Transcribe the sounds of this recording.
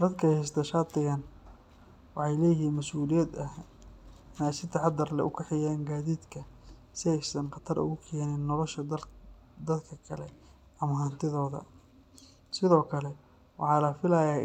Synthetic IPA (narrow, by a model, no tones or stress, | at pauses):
d̪ɐd̪kʰɐhɛs̬t̪ʰɐʃaːt̪ɪɣɐn | wɑħɑjlɛːjɪɦiːnmɐsʔuːlɪjɐd̪ɐh | ɪnɛjsɪt̪ʰɐħɑd̪ɐrlɛ̰ʔʊ̰kʰɐħɪjaːŋɡaːðiːd̪kʰɐ | sɪɛjsɐnqɑt̪ʰɐɾʔʊ̰ɣʊkʰɛːnɪnːɔlɔʃɐ | d̪ɐd̪kʰɐkʰɐlɛ | ɐmɐɦant̪ʰɪðɔːðɐ̰ | sɪðɔːkʰɐlɛ | wɑ̰ħɑːlɐfɪlɐjaː